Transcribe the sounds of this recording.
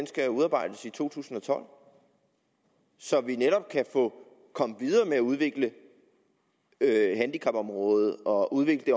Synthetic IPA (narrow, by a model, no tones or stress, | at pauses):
nsɡ̥ææuðˠɑ̈ːb̥ɑ̈ɪd̥ð̩ˠsit͡sʰo̝̰ːt͡sʰṵːsn̩ɒ̽t͡sʰɒ̽l̰ | sɒ̽ʋineɾɒ̽b̥̚kʰæfɔ̽ | kʰɒ̽m̰d̥ʋið̞ˠɐːmeæuð̞ˠʋe̝ɡ̥lə | øhænd̥ikʰɑ̈b̥ɒ̽mʁɔ̽ːð̩ˠɒ̽uð̞ˠʋe̝ɡ̥ləd̥e̝